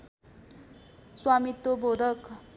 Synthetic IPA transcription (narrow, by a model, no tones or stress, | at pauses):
swamit̪ːobʱod̪ʱʌk